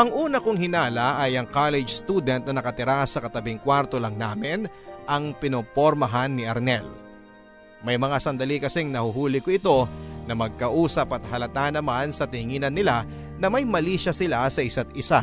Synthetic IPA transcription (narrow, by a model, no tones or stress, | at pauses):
ʔɐŋʔuːnɐkoŋhɪnaːlɐʔɐjɐŋkalɛd͡ʒst̪uːd̪ɛnt̪̚nɐnɐkɐt̪ɪɾasɐkɐt̪ɐbɪŋkwaɾt̪o̞lɐŋnaːmɪn | ʔɐŋpɪnopoɾmɐɦanːɪʔɐɾnɛl | mɐjmɐŋasɐnd̪ɐlikɐsɛŋnɐhʊɦuːlɪkoɪt̪o̞nɐmɐɡ̚kɐʔuːsɐpɐt̪̚hɐlɐt̪anɐmansɐt̪ɪŋiːnɐnːɪla | nɐmɐjmɐliːʃɐsɪlasɐɪsat̪̚ɪsa